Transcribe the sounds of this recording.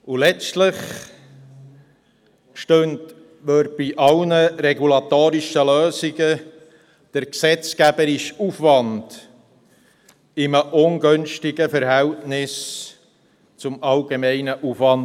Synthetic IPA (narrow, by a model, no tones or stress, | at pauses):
ulɛt͡stlɪχ | ʃtønt | ʋøɾ̚b̥iʔɑlnəɾɛɡulɑt̪oːɾiʃəløːsiɡə | d̥əɾksɛt͡skæbəɾɪʃufʋɑnd̥ | ɪməʔʊŋɡønʃtɪɡəfəɾɦɛltnɪs | t͡sʊmɑlɡemɛɪnəʔufʋɑn